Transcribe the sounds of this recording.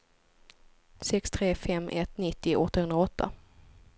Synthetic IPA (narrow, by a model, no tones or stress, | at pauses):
sɛkst̪ʰɾeːfɛmːʔɛt̪nɪt̪ːɪʔɔt̪ːahɵnd̪ɾaɔt̪ʰːa̰